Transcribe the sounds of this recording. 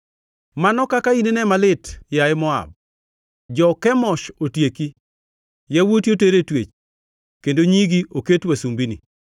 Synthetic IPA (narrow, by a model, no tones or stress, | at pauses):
manɔkakainenɛmalɪtjaɪmɔa̰b̚ | d͡ʒɔkɛmɔʃotjeki | jawotjoteɾetwet͡ʃ | kendoɲiɡioketwasumbinḭ